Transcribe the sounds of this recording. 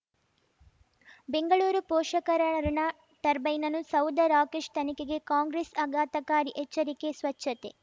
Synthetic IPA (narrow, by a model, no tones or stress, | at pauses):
be̞ŋɡɐɭuːɾupɔːʂɐkɐɾɐɐɾiɳɐ | ʈɐɾbɐjnɐnusɐwd̪ɐɾaːkeʂt̪ɐnikeɡe̞kaːŋɡɾesɐɡaːt̪ɐkaːɾiʔɛt͡ʃːɐɾikesʋɐt͡ʃːɐt̪e